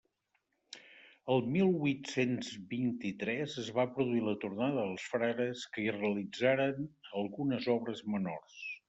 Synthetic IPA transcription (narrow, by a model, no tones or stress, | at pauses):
əlˠmilˠβwut̪senzβint̪it̪ɾɛzəzβapɾuðuilət̪urnaðəəlˠsfɾaɣəskəirəəlid͡zaɾənəlˠɣunəzɔβɾəzməno̰rs